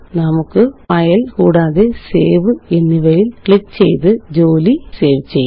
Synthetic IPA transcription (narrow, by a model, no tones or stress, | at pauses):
nɐmɯkːɯpɐjɐlkuːɽaːðeseːʋɯɛnːɪʋɐjɪlkɭɪk̚sɛjðɯd͡ʑoːliseːʋt͡ʃːɛjː